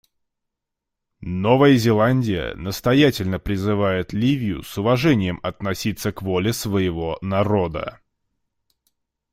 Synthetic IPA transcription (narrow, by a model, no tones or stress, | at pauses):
no̞vəjəzʲɪlˠanʲdʲɪjə̰nəst̪ɐjætʲɪlʲnəpɾʲɪzɨvajɪt̪lʲivʲɪjʊ̰sʊvɐʐɛnʲɪjəmɐt̪nɐsʲit̪sːəkvo̞lʲɪsvəjɪvo̞nɐɾo̞d̪ə̰